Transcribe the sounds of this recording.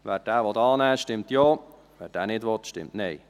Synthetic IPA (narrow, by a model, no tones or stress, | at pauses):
vɛːɾd̥æːʋɔtɑːnɛːʃtɪmtjoː | vɛːɾd̥æːnɪdʋɔt̪ʃtɪ̰mtnɛɪ